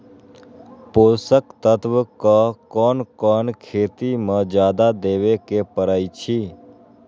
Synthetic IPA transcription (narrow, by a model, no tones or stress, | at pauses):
posəkt̪ət̪ʋəkəkɔːnkɔːnkʰeːt̪imãd͡ʒjaːd̪ad̪eːʋekepəɾaːit͡ʃʰiː